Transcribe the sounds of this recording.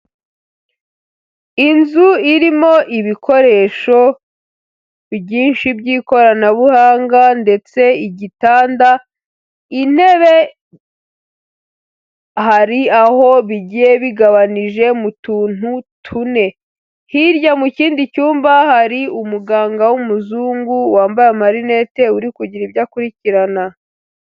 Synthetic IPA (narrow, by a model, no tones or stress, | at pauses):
inzuiɾimo̞ʔiβikʰo̞ɾe̞ːʃo̞ | bɟiːnʃibɟiːko̞ɾanaβuhaːŋɡande̞t͡se̞iɟitaːnda | in̥he̞βe̞ | haɾiaho̞βiɟijeβiɡaβaniʒe̞mutuːn̥hutʰune̞ | hiɾjamuciːndicuːmbahaɾiumuɡaːŋɡawumuzuːŋɡuwaːmbajemaɾine̞te̞uɾikuɟiɾibjakuɾiciɾana